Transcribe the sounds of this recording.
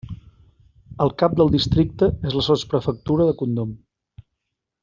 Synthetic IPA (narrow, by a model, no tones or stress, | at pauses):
əlˠkap̚d̪əlˠd̪ist̪ɾik̚t̪əezləsɔspɾəfək̚t̪uɾəðəkund̪om